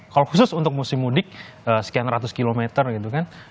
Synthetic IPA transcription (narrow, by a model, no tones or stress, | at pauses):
kalohusʊsunt̪ʊk̚musɪmːudɪk̚ | əsə̥kianɾat̪̬ʊskilomet̪ərɡit̪ukan